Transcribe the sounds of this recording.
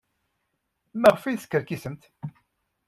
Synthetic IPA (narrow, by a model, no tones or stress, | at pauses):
mæʁfiðskːəɾkisəmt̪